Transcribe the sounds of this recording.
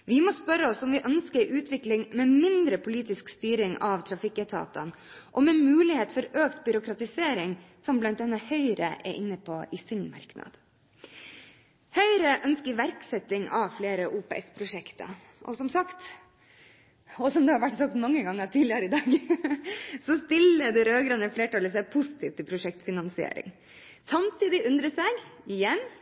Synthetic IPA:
ʋɪmɔspœɾːəɔsɔmʋɪʔœnskəɾʔʉːt̪ʰʋɪklɪŋmɛmɪnd̪ɾəpʰʊliːt̪ɪskst̪yːɾɪŋɑʋt̪ʰɾɑfɪkːət̪ʰɑ̰ːt̪ɑ̰nʔɔmɛnmʉːlɪheːt̪fɔɾøːkt̪bʏɾʊkɾɑt̪ɪseːɾɪŋsɔmblɑnt̪̚d̪ɛnːɑhœʏɾə̰ʔɛ̰ɾʔɪnːəpʰoʔɪsɪnmɑ̰ɾknɑ̰d̪̥ | hœʏɾəʔœnskəɾʋæɾksɛt̪ɪŋɑʋfleːɾəʔuːpɛʔɛspʰɾʊʂɛkt̪ʰɑ̰ | ʔɔ̰sɔmsɑkt̪ | ɔsɔmd̪ɛhɑɾʋæʈːsɑk̚t̪mɑŋːəɡɑŋːəɾt̪ʰiːd̪lɪɑɾɪd̪ɑːɡ | sɔst̪ɪləd̪ɛɾøːɡɾɑnəfleːʈɑːləsæɪpʰʊsɪ̥t̪ʰiːʋt̪ʰːɪpʰɾʊʂɛk̚t̪fɪnɑnsɪḛːɾɪ̰ŋ | sɑmt̪iːd̪ɪʔʉnd̪ɾəsɛɪɡɪjɛn

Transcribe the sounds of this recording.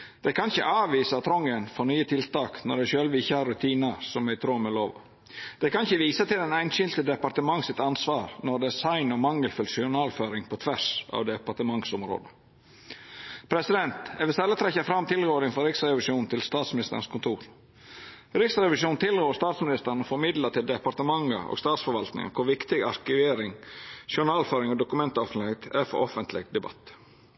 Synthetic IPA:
d̪̥ɛkʰɑnɪçə̰ʔɑːʋiːsɑt̪ʰɾɔŋːənfɔnyːət̪ʰɪlt̪ɑːknɔ̰ɖɛɪʃøːlʋəɪçːəhɑɾːʉt̪ʰiːnəsɔmæɪt̪ʰɾuːɾmɛloːʋɑ̰ | d̪̥ɛkɑnɪçəʋiːsət̪ɪld̪ɛnæɪnʃɪlt̪əd̪ɛpɑɾt̪əmɑŋːsɪt̪ɑnsʋɑːɾnɔd̪ɛsɑɪnɔmɑŋːəlfʏlsɪʊnɑːlføːɾɪŋpʰɔt̪ʰʋæʂɑ̰ːʋd̪ɛpɑɾʈ̪əmɑŋsɔmɾo̰ːd̪ə | pʰɾɛsɪd̪ɛnt̪ɛʋɪlst̪ɛlːət̪ʰɾɛçːəfɾɑmːt̪ʰɪlɡoːɾɪŋfɔɾɪksɾɛʋɪʂuːnn̩t̪ʰɪlst̪ɑːt̪smɪnɪst̪ə̰ɾən̩skʊnt̪ʰuːɾ | ɾɪksɾɛʋɪʂuːnt̪ʰɪlɡoːɾst̪ɑːt̪smɪnɪst̪əɾɳnəfɔɾmɪd̪lət̪ʰɪld̪ɛpɑɾt̪əmɑŋə̰ʔo̰ːɡst̪ɑːt̪sfɔɾʋɑlt̪nɪ̰ŋɑ̰kʰʊɾʋɪkt̪ɪɡɑ̰ɾkɪʋeːɾɪŋʃɪʊnɑːlføːɾɪŋɔd̪ʊkʉmɛnt̪əɔfənɪhɛt̪ʰæɾfɔ̰ɾʔɔfənt̪lɪɡd̪ɛbɑ̰t̪ː

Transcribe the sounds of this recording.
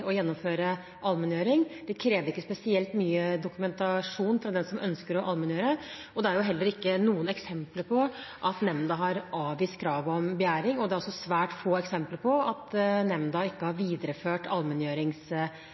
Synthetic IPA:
ɔjɛnːɔmføːɾə | ʔɑlmɛnjøːɾɪŋd̪̥ɛkʰɾeːʋəɾɪkːəspɛsɪɛlt̪nyːəd̪ʊkʉmɛnt̪ɑʂuːnfɾɑd̪ɛnsɔmʔœnskəɾɔʔɑlmɛnjøːɾə | ɔd̪ɛæɾjʊɦɛlːəɾɪkːənuːənɛksɛmpləɾpʰɔʔɑt̪nɛmd̪ɑɦɑɾʔɑːʋʋiːst̪̚kʰɾɑːʋɔmbɛjæːɾɪŋɔd̪ɛæɾɔsɔsʋæːʈfoːɛksɛmpləɾpʰɔɑt̪nɛmd̪ɑɪkːəhɑɾʋiːd̪əɾəføːʈɑlmɛnjøːɾɪŋs

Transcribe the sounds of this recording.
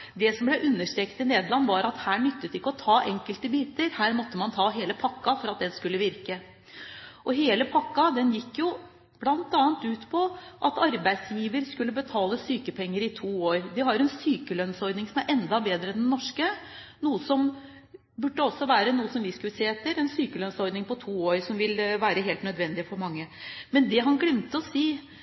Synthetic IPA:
d̪ɛsɔmblɛʔʉnːəʂʈ̪ɾeːkət̪ɪneːd̪lɑnːʋɑɾɑt̪hæːɳʏt̪ːət̪ɪɪkːəɔt̪ʰɑːʔɛŋkəlt̪əbiːt̪əɾhæːɾmɔt̪ːəmɑnt̪ʰɑːɦeːləpʰɑkːɑfɔɾɑt̪̚d̪ɛnskʉlːəʋɪɾkə | ʔɔɦeːləpʰɑkːɑd̪ɛnjɪkːjʊ | b̥lɑnt̪ɑːnt̪ʉːt̪pʰɔʔɑt̪ɑɾbæɪd̪sjiːʋəɾskʉlːəbət̪ʰɑːləsyːkəpʰɛŋːəɾɪt̪ʰuːoːɾd̪ɪhɑɾɾɛnsyːkəlœnsɔɾd̪nɪŋsɔmæɾʔɛnd̪ɑbeːd̪ɾəɛnd̪ɛnɔʂkə | nuːəsɔm | bʉɖːəɔsːɔʋæːɾənuːəsɔmʋɪskʉseːɛt̪ːəɾɛnsyːkəlœnsɔɾd̪nɪŋpɔt̪ʰuːoːɾsɔmʋɪlʋæːɾəɦeːlt̪nœd̪ʋɛnd̪ɪəfɔɾmɑŋːəmɛnd̪ɛɦɑnɡlɛmt̪əɔsiː

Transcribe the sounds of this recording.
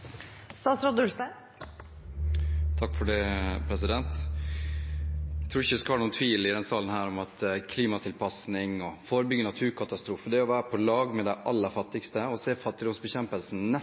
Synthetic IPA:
st̪ɑːsɾɔd̪ʉst̪ɑ | t̪ʰɑkːfɔɖɛpʰɾɛsɪd̪ɛnt̪ | æt̪ʰuːɪçəʋɪskɑhɑːnuːnt̪ʰʋiːlɪd̪ɛnsɑːlənhæːɾɔmɑt̪kʰliːmɑt̪ʰɪlpʰɑsnɪŋɔfoːɾəbʏɡːənɑt̪ʰʉːɾkʰɑt̪ɑst̪ɾuːfəd̪ɛɔʋæːɾəpʰɔlɑːɡmɛd̪æʔɑlːəɾfɑt̪ːɪkst̪əɔseːfɑt̪ːɪd̪ɔmsbɛçɛmpəlsn̩nɛ

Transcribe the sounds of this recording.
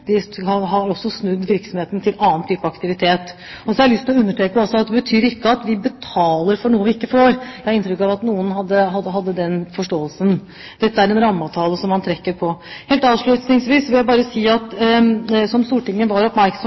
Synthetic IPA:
d̪ɪhɑɦɑɾɔsːɔsnʉd̪ːʋɪɾksɔmheːt̪nt̪ʰɪlɑːnt̪ʰyːpəɑkt̪ɪʋɪt̪ʰeːt̪ | ɔsɔhɛɾɪlʏst̪ʰɪlɔʉnːəʈʰeːkəɔsɔɑt̪̚d̪ɛbət̪ʰyːɾɪkːəɑt̪ʋɪbət̪ʰɑːləɾfɔɳuːəʋɪɪkːəfoːɾjæhɑɾɪnt̪ɾʏkːɑʋɑt̪nuːənɦɑd̪ːəɦɑd̪əɦɑd̪ːəd̪ɛnfɔʂʈoːəlsən | d̪ɛt̪ːəæɾɛnɾɑmːɑt̪ʰɑːləsɔmːɑnt̪ʰɾɛkːəɾpʰɔheːlt̪ɑːʋʂɭʉt̪nɪŋsʋiːsʋɪljæɪbɑːɾəsiːɑt̪ | sɔmst̪uːʈɪŋːəʋɑɾɔpmæɾksɔ

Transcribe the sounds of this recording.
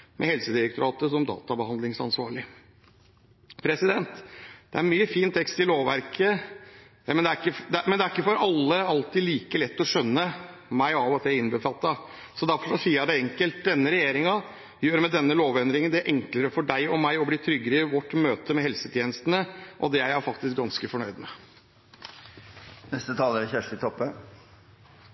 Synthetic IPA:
mʔɛ̰hɛlsəd̪ɪɾək̚t̪ʊɾɑːt̪əsɔmd̪ɑ̰ːt̪ɑbəhɑnd̪lɪŋsɑ̰nsʋɑ̰ːɾɭɪ | pʰɾɛsɪd̪ɛnt̪d̪ɛæɾmyːəfiːnt̪ʰːɛkst̪ɪloːʋʋæ̰ɾkʰə | mɛnd̪ɛækəd̪mɛnd̪ɛæɾɪkːəfɔɾɑlːəɑlt̪ɪliːkəlɛt̪ːɔʂœnːəmæɪɑːʋɔt̪ʰæɪnbəfɑt̪ːɑ | sɔd̪æɾfɔʂɔsiːɑɖɛɛŋkəlt̪̚d̪ɛnːəɾɛjeːɾɪŋɑ | jøːɾəmɛd̪ɛnːəloːʋɛnd̪ɾɪŋənd̪ɛæɾʔɛŋkləɾəfɔɖæɪɔmæɪɔbliːt̪ʰɾʏɡːəɾəɪʋɔʈːmøːt̪əmɛhɛlsət̪ʰjeːnəst̪ənəʔɔ̰d̪ɛææɾfɑkt̪ɪsk̚ɡɑnskəfɔɳœʏd̪mɛ | nɛst̪ət̪ʰɑːləɾəçæʂʈɪt̪ʰɔpːə

